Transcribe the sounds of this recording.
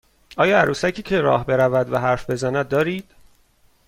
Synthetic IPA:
ʔɒːjɒːæɾuːsæcʰiːcʰe̞ɾɒ̰ːhbe̞ɾævæd̪væɦæɾfbe̞zænæd̪̚ːɒːɾiːd̪̥

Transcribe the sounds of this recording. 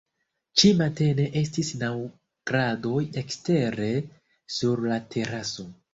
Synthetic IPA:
t͡ʃimate̞ne̞ʔe̞stisnaw | ɡ̥ɾado̞jekste̞ɾe̞ | suɾlatʰe̞ɾaso̞

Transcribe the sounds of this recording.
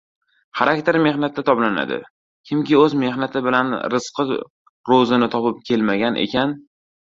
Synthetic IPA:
χaɾak̚ʲt̪ʰeɾme̞χnat̪ːat̪ʰɒblana̰d̪ɪ̰ | kʲʰɪmkʲɪɵzme̞hnat̪ʰɪbɪlanɾɨsqɨ | ɾozɪnɪt̪ʰɒpɪp̚kʲʰe̞lmaɡʲanʔe̞̰kʲʰan

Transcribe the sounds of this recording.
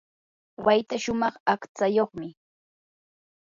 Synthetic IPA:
wajt̪aʃʊmɑχakt͡sajoχmɪ

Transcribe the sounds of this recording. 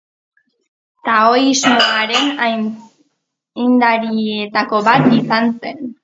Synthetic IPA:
t̪aojzmoaɾe̞na | jnd̪aɾiet̪ako̞βat̪isanse̞n

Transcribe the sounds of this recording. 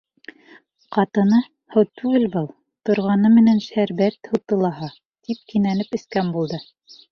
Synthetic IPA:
qɑt̪ɤ̆nɤ | hɤwt̪ʰʉɡɘlbɤlˠ | t̪ŏɾʁɑnɤmɘ̆nænʃæɾbæɾt̪hɤ̆t̪ɤ̆lˠɑɦɑ | t̪ʰip̚kinænɘpɘ̆skæmbulˠd̪ɤ

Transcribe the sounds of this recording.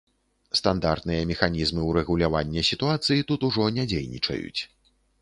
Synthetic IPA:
st̪and̪art̪nɨjɐmʲɛxanʲizmɨuɾɛɣulʲavanʲːɛsʲit̪uat̪sɨjit̪ut̪uʐɔnʲad͡zʲejnʲḭt͡ʂɐ̰jṵt͡sʲ

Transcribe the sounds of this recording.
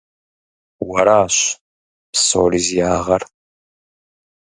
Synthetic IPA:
wɐɾaːɕ | pso̰ːɾizjaːʁɐr

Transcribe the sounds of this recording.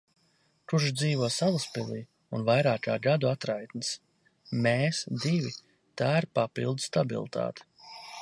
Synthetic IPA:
kuɾʒd̪ziːvuɔsalˠaspilʲˠiː | unvajɾaːkaːɡad̪uat̪ɾajt̪nɨs | meːsd̪ivʲi | t̪aːiɾpapḭlˠd̪st̪abḭlˠt̪ʰa̰ːt̪ɛ̥

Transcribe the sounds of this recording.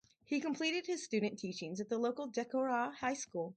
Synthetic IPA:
hikə̃m̩pʰl̥iɾɨd̚ɨz̥stʉdⁿn̩tʰit͡ʃɪ̃ŋzɨt̪̚ðəloʊkl̩ˠdɛkoɹɑhaɪskulˠ

